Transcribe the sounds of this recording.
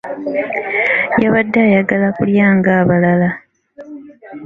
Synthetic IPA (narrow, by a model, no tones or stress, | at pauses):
jaβadːaːjaɡalakuljaːŋɡaːβalala